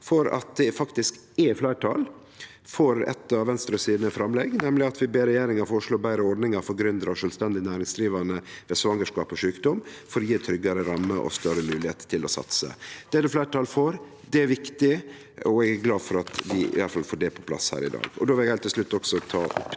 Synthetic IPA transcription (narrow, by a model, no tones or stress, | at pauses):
fɔɾɑ̰t̪̚d̪ɛfɑkt̪ɪsk | ɛflæɪʈʰɑ̰ːl | fɔɾɛ̰t̪ːɑʋʋɛnst̪ɾɑsiːd̪nəfɾɑmlɛɡnɛmlɪɑt̪ʋɪbeːɾɛjeːɾɪŋɑɾfɔʂɭoːbæɪɾəɔɾɖnɪŋɑɾfɔɾɡɾʏnd̪ɾɑʂœːlst̪ɛnd̪ɪnæːɾɪŋsd̪ɾiːʋɑnəʋeːsʋɑŋːəʂkɑ̰ːpɔʂʉːkd̪ɔmfɔɾɔjiːt̪ʰɾʏɡɑɾəɾɑmːəʔɔ̰st̪œɾəmʉːlɪheːt̪t̪ʰːɪlɔsɑ̰t̪sə̰d̪̥ɛd̪ɛflæɪʈʰɑːlfoːɾ | d̪ɛæɾʋɪkt̪ɪ | ɔɛɡæɾɡlɑːfɔɾɑt̪d̪ɪɪ̰ʋɑlfɑlfoːɖɛpʰɔ̥pʰlɑ̰shæ̰ːɾɪ̰d̪ɑ̰ːɡɔ̰d̪oːʋɪlɛɡæɪlt̪ʰɪʂlʉt̪ːɔksɔt̪ʰɑ̰ːʔʊpː